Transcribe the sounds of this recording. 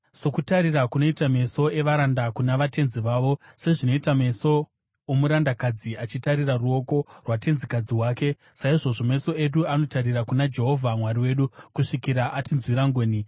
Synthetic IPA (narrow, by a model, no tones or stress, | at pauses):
so̞kutaɾirakuno̞itame̞so̞e̞ʋaɾandakunaʋate̞nziʋaːʋo̞se̞ʐino̞itame̞so̞ | omuɾandakad͡ziʔat͡ʃitaɾiraruo̞ko̞rwate̞nzikad͡ziɦwaːke̞ | saiʐo̞ʐo̞me̞so̞e̞ɗuano̞tariɾakunad͡ʒe̞ɦo̞vʱamwariwe̞ɗukuʂikiɾaʔatinzwiɾaŋɡoːni